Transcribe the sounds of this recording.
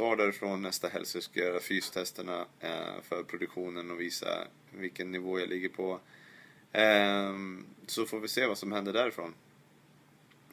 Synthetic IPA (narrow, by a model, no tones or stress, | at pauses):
svɑːɖæːɾɪfɾoːnːɛst̪aɦɛ̰lsʊskajœːɾafyːst̪ʰɛst̪əɳa̰fœɾpʰɾʊd̪ɵkɧuːnənɔviːsa̰ | vɪlkənːɪvoːjalʔɪɡːəɾpʰɔ | sɔfoːɾvɪseːvasɔmhɛnd̪əɖæɾɪfɾo̰ːn